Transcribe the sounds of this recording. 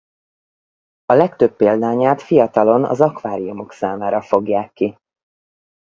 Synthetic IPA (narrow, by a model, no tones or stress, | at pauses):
ɒlɛkt̪øpːeːld̪aːɲaːt̪fijɒt̪ɒlo̞nɒ̰zɒkʋaːɾijumo̞ksaːmaːɾɒfo̞ɡjaːkːi